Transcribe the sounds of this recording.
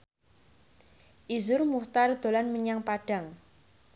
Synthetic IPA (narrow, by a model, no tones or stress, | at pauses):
ʔizʊrmuht̪ard̪̥o̤lanməɲaŋpaɖ̥a̤ŋ